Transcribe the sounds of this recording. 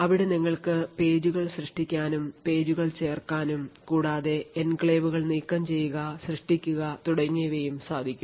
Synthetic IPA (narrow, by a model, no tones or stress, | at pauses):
ɐʋiɽeniŋːɐɭkɨpe̞ːd͡ʑuɣɐɭɕrɨʂʈikʲːaːnumpe̞ːd͡ʑuɣɐɭt͡ɕe̞ːrkaːnumkuːɽaːðe̞enkɭeːʋuɣɐɭniːkːɐmt͡ɕe̞jːuɣɐɕrɨʂʈikʲːuɣɐt̪uɽɐŋːiʋejumsaːd̪ʱikʲːum